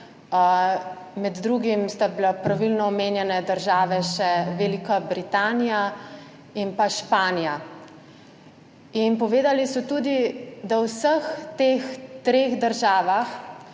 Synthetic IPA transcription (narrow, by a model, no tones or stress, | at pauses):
mɛd̪d̪ɾuɡimst̪abilɛpɾaʋilnɔɔmeːnjɛnɛd̪əɾʒaːʋɛʃɛʋɛlikabɾit̪aːnija | inpaʃpaːnija | inpɔʋeːd̪alisɔt̪ud̪id̪awsəxt̪eːxt̪ɾeːɣd̪əɾʒaːʋax